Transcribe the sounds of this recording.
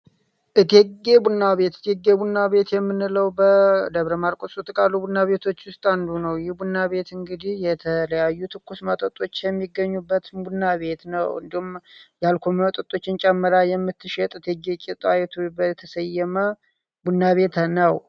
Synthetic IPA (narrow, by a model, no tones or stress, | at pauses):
ʔɨt̪ʰeɡebunːaβe̞t̪ɨt̪ʰeɡːebunːaβe̞t̪jɛmːɨnːɨləwbəd̪əβɾəmaɾkʼosʼut̪ʼɨkʼalubunːaβe̞t̪ʰo̞t͡ʃːwʊst̪ʼand̪unəwjɪhbunːaβe̞t̪ɨŋɡɨd̪ihjɛt̪ʰələjajːut̪ʰɨkʰːusmət̪ʼət̪ʼo̞t͡ʃːjɛmːiɡːəɲːubːət̪bunːaβe̞t̪nəwɨ̰nd̪ihumjalkʰomət̪ʼət̪ʼo̞t͡ʃːɪnt͡ʃʼɛmːɨɾajɛmːɨt̪ʰːɨʃɛt̪ʼɨt̪ʰeɡekʼet̪ʼajɛt̪ʰubət̪ʰəsəjːɛmə | bunːaβe̞t̪ʰənəw